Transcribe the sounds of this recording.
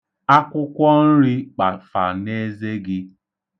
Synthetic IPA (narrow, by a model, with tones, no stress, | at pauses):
a˦kʷʊ˦kʷɔ˦n̩˦ɾi˦k͡pa˨fa̰˨ne˦ze˦ɡɪ˦